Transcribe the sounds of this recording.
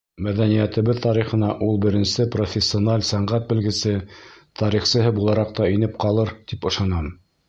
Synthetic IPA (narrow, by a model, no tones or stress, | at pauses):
mæðænijæt̪ɘ̆βɘðt̪ɑɾiχɤ̆nɑʔulˠbɘ̆ɾɘ̆nsɘprofʲesʲːionɑlʲsæɴɢæt̪̚bɘ̆lɡɘ̆sɘt̪ʰɑɾiχsɤ̆ɦɤbulˠɑɾɑq̚t̪ɑinɘp̚qɑlˠɤɾt̪ipɤ̆ʃɑnɑm